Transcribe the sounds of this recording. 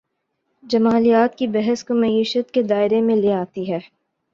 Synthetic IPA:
d͡ʒɐmaːlijaːt̪kibɛɦəskomɐiːʃət̪ked̪aːɪɾemẽleːaːt̪iɦɛː

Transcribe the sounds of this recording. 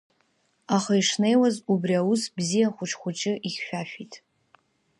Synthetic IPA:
aχaiʂne̞jwazubriawusbzijaχʷʊʈ͡ʂʰʼχʷʊt͡ʃʼɪʔiχʲːᶣaʃᶣitʼ

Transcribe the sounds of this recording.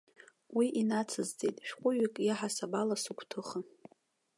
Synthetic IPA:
wiʔinat͡sʰɨzt͡sʼḛtʼʃᶣqʷʼʊɥɪkʼjaħasabalasukʷʰtʰɨχa

